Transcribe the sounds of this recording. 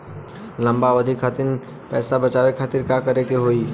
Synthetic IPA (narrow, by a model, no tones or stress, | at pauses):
lɐ̃mbaʋəd̪ʱɪkʰːaːt̪ɪn | pɛːsabət͡ʃaːʋekʰaːt̪ɪɾkaːkəɾekeɦoːiː